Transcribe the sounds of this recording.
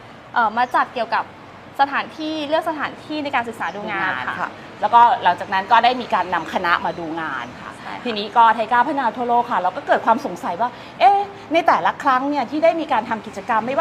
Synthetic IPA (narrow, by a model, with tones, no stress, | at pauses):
ʔɤː˨˩maː˧t͡ɕa˨˩t̪̚ki˨˩əwka˨˩p̚ | sa˧t̪ʰaː˩˦nt̪ʰiː˥˩lɯ˥˩ək̚sa˧t̪ʰaː˩˦nt̪ʰiː˥˩na˧jkaː˧nsɯ˨˩k̚saː˩˦duː˧ŋaː˧n˧nkʰa̰˧˥˩ | lɛː˦˥wkɔː˥˩la˩˦ŋt͡ɕaː˨˩k̚na˦˥nkɔː˥˩daː˥˩jmiː˧kaː˧nːa˧mkʰa˧na˦˥ʔmaː˧duː˧ŋaː˧nkʰa̰˥˩t̪ʰiː˧niː˦˥kɔː˧t̪ʰa˧jkaː˥˩wpʰaː˧˥˩naː˧t̪ʰoː˧loː˧˩kʰa˥˩ɾa˧wkɔː˥˩kɤː˨˩t̪̚kʰwaː˧mso˨˩˦ŋsa˩˦jwaː˥˩ | ʔeː˥ | na˧jt̪ɛː˨˩la˦˥kʰɾa˦˥ŋni˥˩ɐt̪ʰiː˥˩daː˥˩jmiː˧kaː˧nt̪ʰa˧mki˨˩t͡ɕa˧ka˧mːa˥˩jwa˥